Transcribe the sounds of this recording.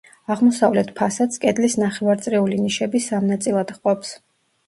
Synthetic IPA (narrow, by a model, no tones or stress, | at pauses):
aʁmɔsavlɛt̪ʰpʰasat̪skʼɛd̪lisnaχɛvaɾt̪sʼɾɛuliniʃɛbisamnat̪sʼilˠad̪̥χqʼɔps